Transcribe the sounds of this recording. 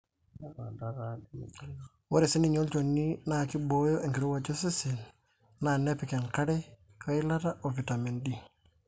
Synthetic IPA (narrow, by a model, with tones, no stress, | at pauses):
wo˦ɾi˨si˦ni˨ɲo˦lt͡ʃonːina˨ki˦bo˦jo˦ʔeŋki˨ɾu˦wad͡ʒo˦si˦sin | nanepike˨nkaɾe | ka˦i˦lata˦ʔofi˨ta˨me˨ndi